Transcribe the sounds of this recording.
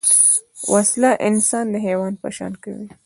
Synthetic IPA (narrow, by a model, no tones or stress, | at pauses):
wʔaslaʔɪnsɑnd̪əɦewɑnd̪̚pə̰ʃɑ̰nka̰wi